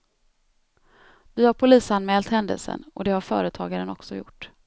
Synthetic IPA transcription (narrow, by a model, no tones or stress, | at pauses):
d̪ɵhaɾpʰʊliːsanmɛːlt̪hɛnd̪ə̰lsə̰nɔ̰d̪ɛhaɾfœ̰ːɾət̪ʰɑːɡaɾənɔksɔjʊ̰ʈː